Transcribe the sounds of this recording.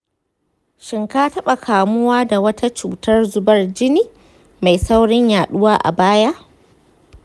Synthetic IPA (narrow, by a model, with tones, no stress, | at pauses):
ʃɪ˨ŋkaː˦tɐ˦ɓa˨kʰaː˨mʊ˦waː˦da˨wɐ˦tʰa˦t͡ʃuː˨tɐ˦rzʊ˦bɐ˦rd͡ʒɪ˦niː˦ | ma˨jsa˦wɽɪ˦ɲjaː˨ɗʊ˦waː˦ʔa̰˨baː˦ja˦ʔ